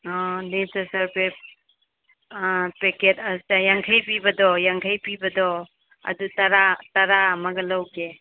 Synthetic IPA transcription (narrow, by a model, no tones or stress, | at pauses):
ɔnesasɐɾpe | peketasajaŋkʰajpibadɔjaŋkʰajpibadɔ | ɐ̰dutaɾataɾamaɡɐlawɡe